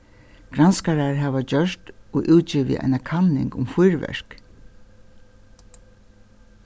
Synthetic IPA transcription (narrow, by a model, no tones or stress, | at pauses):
ɡ̥ɾanskaɾaɹɦaːʋat͡ɕœʂt̪oʔuwt̪t͡ʃiːʋḭʔa̰jnakʰanɪ̰ŋkʊmfʊjɹʋɛ̰ɹ̥k